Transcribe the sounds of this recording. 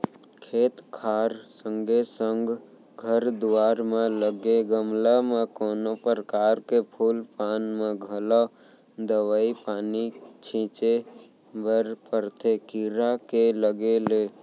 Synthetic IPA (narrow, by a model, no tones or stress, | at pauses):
kʰeːt̪kʰaːɾsə̃ŋɡesəŋɡ | ɡʱəɾd̪uwaːɾmẽləɡeɡəmlamẽkoːnopəɾəkaːɾkepʰuːlpaːnmẽɡʱəla | d̪əʋaːipaːnit͡ʃʰĩːt͡ʃe | bəɾpəɾt̪ʰekiɾakeləɡeleː